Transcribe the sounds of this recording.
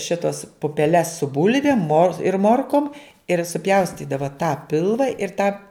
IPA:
ˈʃʲɪtoːs pʊpʲɛˈlʲɛs sʊ ˈbʊlʲʋʲeːm moːr ɪr ˈmoːrkoːm ɪr sʊˈpʲjɛʊsʲtʲiːdɐʋɐ tɑː ˈpʲɪlˠʋɐ ɪr tɑː

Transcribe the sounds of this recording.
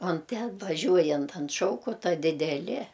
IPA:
oːn ˈtʲɛn ʋɐˈʒʲuɔjɛnt ɐnt ˈʃɐʊkoːtɐ dʲɪdʲɛˈlʲɪ

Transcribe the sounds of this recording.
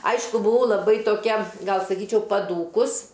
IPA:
ˈɐɪʃkʊ bʊˈʋɐʊ lˠɐˈbɐɪ toːˈkʲɛ ˈɡɐlˠ sɐˈkʲiːt͡ʃʲɛʊ pɐˈduːkʊs

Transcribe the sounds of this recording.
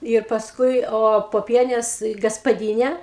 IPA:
ɪr pɐsˈkʊɪ oː poːˈpʲiɛnʲeːs ɡɐspɐˈdʲiːnʲɛ

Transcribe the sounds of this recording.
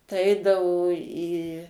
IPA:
tɐɪ ˈɛɪdɐʋoː iː

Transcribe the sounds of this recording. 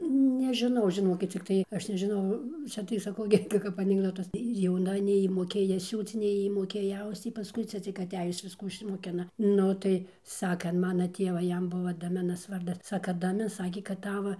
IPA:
nʲɛʒʲɪˈnɐʊ ʒʲɪˈnoːkʲɪt t͡sʲɪkˈtɐɪ ˈɐʃ nʲɛʒʲɪˈnɐʊ ˈt͡sʲɛ tɐɪ sɐˈkɐʊ ɡʲɪ ˈkɐ kɐp ɐnʲɪɡˈdoːtɐs ɪr jɛʊˈnɐ nʲɛɪ ˈjiː moːˈkʲeːjɛ ˈsʲuːt͡s nʲɛɪ ˈjiː moːˈkʲeːjɛ ˈɐʊst͡s ˈjiː pɐˈskʊɪ ˈt͡sʲɛ t͡sʲɪk ɐˈtʲæːjʊs ˈʋʲɪskuː ɪʃʲsʲɪmoːˈkʲɪnɐ ˈnʊ tɐɪ ˈsɑːkɐ ɐn ˈmɑːnɐ ˈtʲeːʋɐ ˈjɛm ˈbʊʋoː dɐˈmʲɪnɐs ˈʋɐrdɐs ˈsɑːkɐ dɐˈmʲɪ ˈsɑːkʲeː kɐt ˈtɑːʋɐ

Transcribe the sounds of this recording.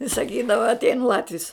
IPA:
ɪ sɐˈkʲiːdɐʋɐ ɐtʲˈɛɪn ˈlˠɑːtʲʋʲɪs

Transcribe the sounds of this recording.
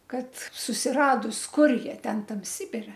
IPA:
ˈkɐt sʊsʲɪˈrɑːdʊs ˈkʊr ˈjiɛ ˈtʲɛn ˈtɐm ˈsʲɪbʲɪrʲɛ

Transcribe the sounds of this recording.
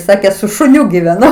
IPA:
ˈsɑːkʲeː sʊ ʃʊˈnʲʊ ɡʲɪʋʲɛˈnʊ

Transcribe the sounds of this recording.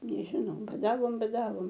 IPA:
nʲɛʒʲɪˈnɐʊ bɐˈdɑːʋoːm bɐˈdɑːʋoːm

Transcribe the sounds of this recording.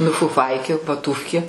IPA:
nʊ fʊˈfɐɪkʲeː ʋɐˈtuːfʲkʲeː

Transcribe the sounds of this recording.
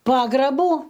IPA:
ˈpɑːɡrɐbuː

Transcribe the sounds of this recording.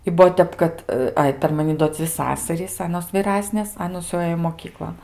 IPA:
ɪ ˈbuɔ ˈtʲɛp kɐt ˈɐɪ pʲɛr mɐˈnʲɪ doː ˈd͡zʲʋʲɪ ˈsɑːsɐrʲiːs ˈɑːnoːs ʋʲiːˈrɑːsʲnʲeːs ˈɑːnoːs jɛʊ ˈɘjoː moːˈkʲiːklˠoːn

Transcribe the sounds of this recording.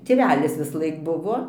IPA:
tʲeːˈʋʲæːlʲɪs ʋʲɪsˈlˠɐɪk ˈbʊʋoː

